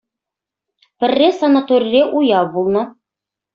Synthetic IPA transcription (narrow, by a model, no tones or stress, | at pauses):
pɘ̆rːesɐnat̪oɾʲɾeʔujɑbulˠnɤ̆